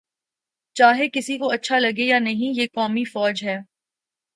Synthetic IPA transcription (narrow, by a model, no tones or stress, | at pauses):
t͡ʃaːɦekɪsikoɐtːʃʰalɐɡejanɐɦĩjeːkɔːmifɔːd͡ʒɦɛː